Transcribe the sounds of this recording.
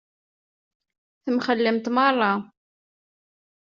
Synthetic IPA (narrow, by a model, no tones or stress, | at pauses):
θəmχəlːəmt̪mɑrˤːɑ